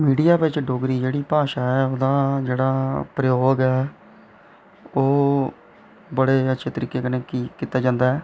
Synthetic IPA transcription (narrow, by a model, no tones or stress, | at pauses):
miːɖijaːʋɪt͡ʃɖoːɡɾiːd͡ʒeːɽiːpaːʃaːɛːoːd̪aːd͡ʒeːɽaːpɾəjoːɡɛː | oː | bəɽeːətːʃʰeːt̪əɾiːkːeːkəneːkikit̪ːaːd͡ʒãːnd̪aːɛː